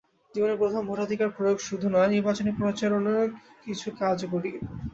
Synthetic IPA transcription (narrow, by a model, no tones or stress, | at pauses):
d͡ʑiboneɾpɾot̪ʰombʱoʈad̪ʱikaɾpɾojoɡʃud̪ʱunɔeniɾbat͡ɕonepɾot͡ɕalonakit͡ɕʰukad͡ʑkoɽi